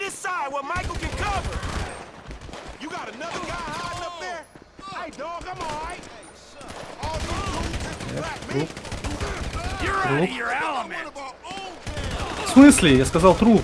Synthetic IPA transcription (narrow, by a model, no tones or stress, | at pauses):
ɾɪsaɪd̚wət̚maɪkl̩ˠkɨ̃nkʰʌvə˞ | jɨɡɑɾɨnʌðə˞ɡaanʌp̚ðə˞ | adoaɪ | ɛ̰t̪ɾu | jəɾuə˞ɛlˠəmɨ̃ | swĩnslijaskɐzalˠt̪ɾu